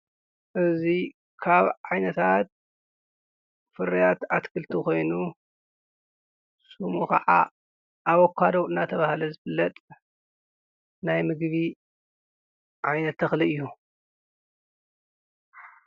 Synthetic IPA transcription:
ʔɨzi | kʰaβʕajnɐt̪ʰat̪̚ | fɨɾijat̪at̪kʰɨlt̪ʰiko̞jnu | sumukɐʕa̰ | ʔawɔkʰːad̪oɨnːat̪ʰɐβahlɐzɨfɨlːɐt̪ʼ | najmɨɡβi | ʕajnɐt̪ʰːɐxliɨjːu

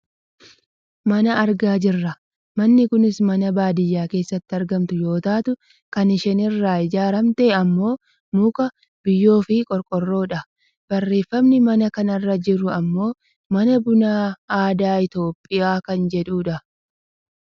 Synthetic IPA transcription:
mɐnɐːɾɡaːd͡ʒɪrːɐ | mɐnːɪkʊnɪsmɐnɐbaːd̪ɪjːaːke̞ːsːɐt̪ːɪɐɾɡɐmt̪ʊjo̞ːt̪aːt̪ʊ | kɐnɪʃɛnɪrːaːɪd͡ʒaːɾɐmt̪eːɐmːo̞ː | mukɐ | b̥ɪjːo̞ːfɪkʼɔɾkʼɔrːo̞ːᶑɐ | b̥ɐrːe̞ːfːɐmnɪmɐnɐkɐnɐrːɐd͡ʒɪɾʊɐmːo̞ː | mɐnɐbʊnaːaːd̪aːɪt̪o̞ːpʼːɪjaːkɐnd͡ʒɛᶑuːᶑɐ

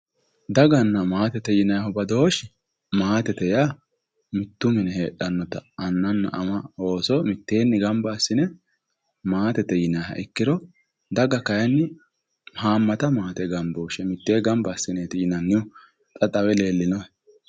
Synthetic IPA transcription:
d̪ɐɡɐnːɐmaːt̪ɛt̪ɛjɪnɐjhɔbɐd̪oːʃɪ | maːt̪ɛt̪ɛja | mɪt̪ːʊmɪnɛheːᶑɐnːɔt̪ɐ̰ɐnːɐnːɐ̰ʔɐmɐo̞ːsɔmɪt̪ːe̞ːnːɪɡɐmbasːɪnɛ | maːt̪ɛt̪ːɛjɪnɐjhɐ̰ʔɪkːɪd̪ɔ | d̪ɐɡɐkɐjɛnːɪ | haːmːɐt̪ɐmaːt̪ɛɡɐmboːʃɛmɪt̪ːe̞ːɡɐmbasːɪneːt̪ɪjɪnɐnːɪʊ | t̪ʼɐt̪ʼɐwɛle̞ːlːɪnɔɛ

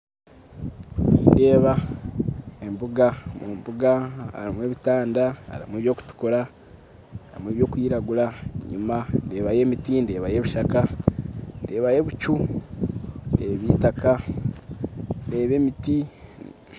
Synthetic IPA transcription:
niːnde̞ːβa | embuɡamumbuɡaa̰ɾimwe̞ːβitaːndaa̰ɾḭmweːβjo̞ːku̥tu̥kuɾa | aɾḭmweβjo̞ːkwiːɾaɡulaeɲumande̞ːβaje̞mitinde̞ːβaje̞βuʃaka | nde̞ːβaje̞βut͡ʃu | ndeːβiːtaka | nde̞ːβe̞ːmiti

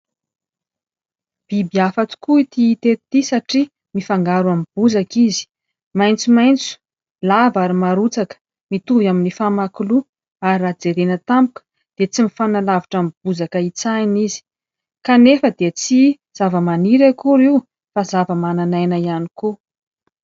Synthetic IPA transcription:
b̥ibiafat͡su̥kuit̪iːt̪etit̪isaʈ͡ʂi | mifaŋɡaɾwamb̥uzakizi̥ | majnt͡sumajnt͡su̥ | lavaɾimaɾut͡sakə̥ | mit̪uvjaminifamakulu | aɾirad͡zeɾenət̪ampukə̥ | d̪̥et͡simifanalaviʈ͡ʂamib̥uzakəit͡sajnizi̥ | kanefəd̪et͡si | z̥avəmaniɾakuɾiu | fazavəmananajnaianiko

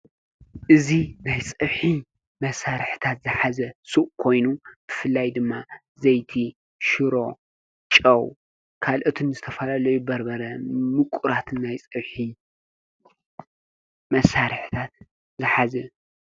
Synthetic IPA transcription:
ʔɨzinajt͡sʼɐβħi | mɐsaɾħɨt̪ʰat̪zɨħazɐsuʔkʰo̞jnub̥ɨfɨlːajd̪ɨmːa | zɐjt̪ʰi | ʃɨɾo̞ | t͡ʃʼɐw | kʰalʔɨt̪ʰɨnzɨt̪ʰɐfɐlalɐjubɐɾbɐɾɐmɨkʷʼʊɾat̪ʰɨnːajt͡sʼɐβħi | mɐsaɾħɨt̪ʰat̪ | zɨħazɐ

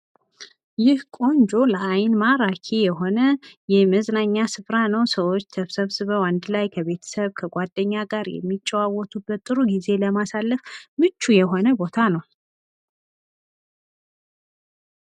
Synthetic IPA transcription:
jɪhkʼo̞nd͡ʒo̞ləʔajnmaɾakʰejɛɦo̞nəjɛməznaɲːasɨfɾanəwsəwot͡ʃːt̪ʰəβsəβsɨβəwand̪lajkʰəβe̞t̪ʰə̥səβkʰəɡʷad̪ːəɲːaɡaɾjɛ̰mːit͡ʃʼːɛwawɔt̪ʰubːət̪ʼːɨɾuɡize̞ləmasalːəfmɨt͡ʃːujɛɦo̞nəbo̞t̪ʰanəw

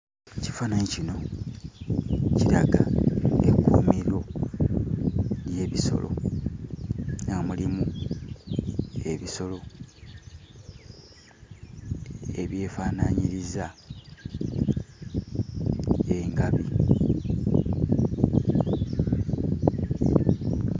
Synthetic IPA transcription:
ci̥fanaɲicino̞ | ciɾaɡa̰ekːumiɾo̞ | lje̞βiso̞̰lo̞̰ | ŋamulimu | e̞βiso̞lo̞ | e̞̰βje̞ːfaːnaɲiɾiza | e̞ŋɡaβi

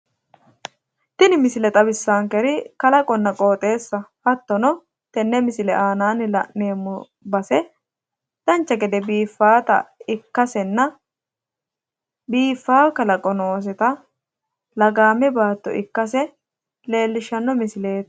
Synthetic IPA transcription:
t̪ɪnɪmɪsɪlɛt̪ɐbɪsːaːŋkɛɾɪkɐlɐkʼɔnːɐkʼo̞ːt̪ʼe̞ːsːɐhɐt̪ːɔnɔ | t̪ɛnːɛmɪsɪlɛʔaːnaːnɪlɐ̰ʔneːmːʊ | bɐsɛ | d̪̥ɐnt͡ʃːɐɡɛd̪ɛbiːfːaːt̪ɐ̰ɪkːɐsɛnːɐ | biːfːaːkɐlɐkʼɔnoːs̬ɛt̪ɐ | lɐɡaːmɛbaːt̪ːɔ̰ʔɪkːɐs̬ɛ | le̞ːlːɪʃːɐnːɔmɪsɪle̞ːt̪

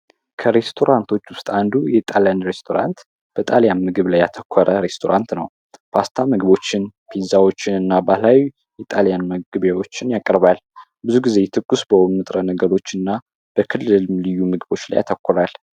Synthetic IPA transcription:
kʰəɾe̞st̪ʰo̞ɾant̪ʰo̞t͡ʃːwʊst̪ʼand̪ujɛt̪ʼaljanɾe̞st̪ʰo̞ɾa̰nt̪ | b̥ət̪ʼaljanmɨɡɨβlajːat̪ʰəkʷʰːɔɾəɾe̞st̪ʰo̞ɾʔant̪nə̰w | pʰast̪ʰamɨɡɨβo̞t͡ʃːɪnpʰizawo̞t͡ʃːɪnɨnːabalaw | jɛt̪ʼaljanmɨɡɨβawo̞t͡ʃːɪnjakʼəɾβal | bɨzuɡize̞t̪ʰɨɡːusbəwʊmnɨt̪ʼɾənəɡəɾo̞t͡ʃːɨnːa | b̥əkʰɨlːɨllɨjːumɨɡɨbo̞t͡ʃːla̰ja̰t̪ʰəkʷːɔɾal

